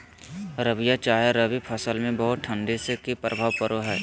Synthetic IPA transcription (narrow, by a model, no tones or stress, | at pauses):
ɾəʋijat͡ʃaːjaɾəbipʰəsəlmẽbɐɦʊt̪̚ʈʰə̃ɳɖesekipɾəbʱaːʋpəɾoɦɛː